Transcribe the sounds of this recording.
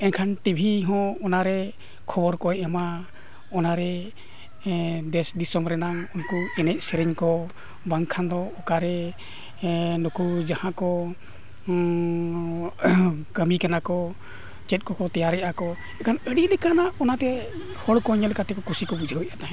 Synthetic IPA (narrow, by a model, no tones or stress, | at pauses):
ɛnkʰanʈibʱiɦɔ̃ɔnaɾɛ | kʰɔbɔɾkɔɛɛma | ɔnaɾɛ | d̪ɛsd̪isɔmɾɛnaŋunkuɛnɛc̚ˀsɛɾiɲkɔ | baŋkʰand̪ɔɔkaɾɛ | nukud͡ʒahãkɔ | kəmikanakɔ | t͡ʃɛt̪̚kɔkɔt̪ɛjaɾɛʔakɔ | ɛkʰanəɽilɛkanaɔnat̪ɛ | hɔɽkɔɲɛlɛkat̪ɛkɔkusikɔbud͡ʒʱiɦɔjʔat̪aɦɛ̃